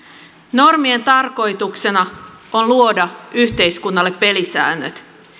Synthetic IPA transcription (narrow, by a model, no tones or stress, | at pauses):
no̞rmie̞nt̪ɑrko̞jt̪ukse̞nɑ | onluo̞dɑyçt̪e̞jskunːɑlːe̞pːe̞lisæ̰ːnːøt̪